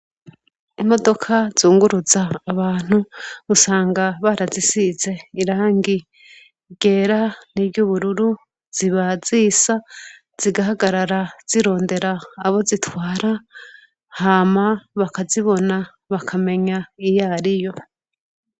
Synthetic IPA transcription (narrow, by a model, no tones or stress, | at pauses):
imo̞do̞kʰazuːŋɡuɾuzaːβaːn̥uusaːŋɡaβaɾazisize̞iɾaːŋɡi | ɡe̞ːɾaniβɟuβuɾuɾu | z̥iβazisa | z̥iɡaɦaɡaɾaɾaz̥iɾo̞ːnde̞ɾaːβo̞zitwaːɾa | hamaβakaziβo̞na | βakʰame̞ɲaijaɾijo̞